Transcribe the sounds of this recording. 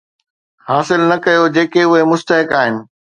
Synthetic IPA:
haːsɪlnɐkɐjod͡ʑeːkeʊɦemʊst̪əɦɪkaːɦɪnɪ̆

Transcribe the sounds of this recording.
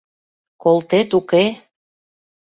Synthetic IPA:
kolt̪et̪uke

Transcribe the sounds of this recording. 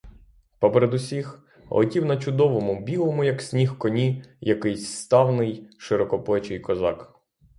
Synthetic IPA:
pɔpeɾed̪ʊsʲix | lɔ̰tʲiwnɐt͡ʃʊd̪ɔʋɔmʊbʲilˠɔmʊjɐksʲnʲixkɔnʲijɐkɪjsʲst̪ɑwnɪjʃɪɾɔkɔplˠɛt͡ʃɪjkɔzɑ̰k

